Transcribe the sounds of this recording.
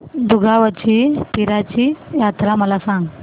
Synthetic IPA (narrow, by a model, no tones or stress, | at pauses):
d̪uɡʱaʋat͡ɕipiɾat͡ɕiːjat̪ɾaməlasãŋɡ